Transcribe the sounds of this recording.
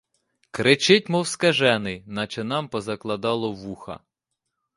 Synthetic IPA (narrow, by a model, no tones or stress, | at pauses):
kɾɪt͡ʃɪt̚ʲmɔwskɐʒɛnɪnɐt͡ʃɪnɑmpɔzɐklˠɐd̪ɑlˠɔʋuxɐ̰